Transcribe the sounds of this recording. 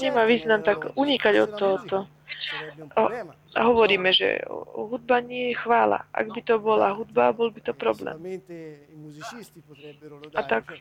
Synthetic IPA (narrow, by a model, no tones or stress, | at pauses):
ɲɛmaːʋiːznamt̪aɡuɲikaɟɔt̪ːɔɦɔt̪ɔ | a̰ɦɔʋɔɾiːmɛʒɛ̰ɦud̪̚baɲɪɛjɛxʋaːla̰ʔa̰ɡbit̪ɔbɔla̰ɦud̪̚babɔlbit̪ɔpɾɔblɛ̰ːm | at̪ak